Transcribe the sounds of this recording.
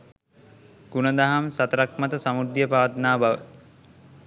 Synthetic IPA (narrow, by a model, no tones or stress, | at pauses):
ɡ̥unəd̪aɦamsat̪əɾak̚mat̪əsamud̪jəpaːt̪naːbaʋə̰